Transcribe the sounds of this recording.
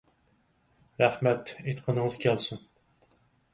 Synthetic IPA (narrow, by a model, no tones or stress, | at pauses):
ɾæχmɛt̪et̪qʰənəŋəz̥kʲʰɛlˠsun